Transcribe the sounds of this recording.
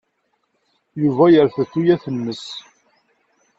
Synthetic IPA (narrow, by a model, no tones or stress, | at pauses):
juvæjəɾθəθːujæθənːəs